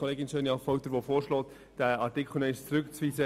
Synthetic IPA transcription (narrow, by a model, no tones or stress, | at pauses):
ɔleːɡɪnʃøːnjɑfɔʊtəɾʋofoːɾʃlɔːt | d̥æːɑɾtɪkχl̩nɛɪʃt͡sɾʏkt͡sviːsə